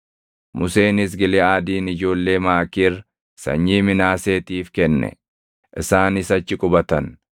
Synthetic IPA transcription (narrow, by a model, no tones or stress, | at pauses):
mʊse̞ːnɪs̬ɡɪlɛaːd̪iːnɪd͡ʒo̞ːlːe̞ːmaːkiːr | sɐ̰ɲːiːmɪnaːse̞ːt̪iːfkɛnːɛ̰ | ʔɪsaːnɪsɐt͡ʃːɪkʼʊbɐt̪ɐn